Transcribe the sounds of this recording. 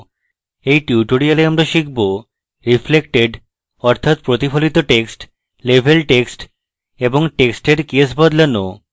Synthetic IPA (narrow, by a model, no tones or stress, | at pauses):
ejʈuʈoɾialeamɾaʃik̚ʰbo | ɾiflekʈeɖ | ɔɾt̪ʰat̪̚pɾot̪ifʰolit̪oʈeksʈ | lebʱelʈeksʈ | eboŋʈeksʈeɾkiesbɔd̪leno̰